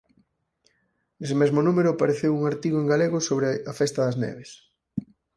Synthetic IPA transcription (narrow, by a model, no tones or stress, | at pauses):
es̬emezmonumeɾʊapaɾeθewuŋaɾt̪iɣoeŋɡaleɣosoβɾeɐfest̪ɐðɐznɛ̰βes